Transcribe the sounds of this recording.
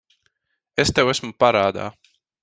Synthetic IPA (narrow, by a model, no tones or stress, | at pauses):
est̪ewæsmupaɾaːd̪a̰ː